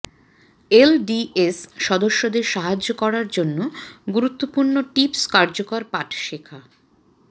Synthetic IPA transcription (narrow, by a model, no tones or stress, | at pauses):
elɖiesʃɔd̪oʃːod̪eɾʃaɦad͡ʑokɔɾaɾd͡ʑonːoɡuɾut̪ːopuɾnoʈipskaɾd͡ʑokaɾpaʈʰʃekʰa